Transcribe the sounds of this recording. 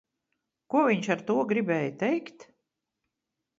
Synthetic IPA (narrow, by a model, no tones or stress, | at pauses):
kuɔviɲʃaɾt̪uɔɡɾibʲɛːjt̪ɛjkt̪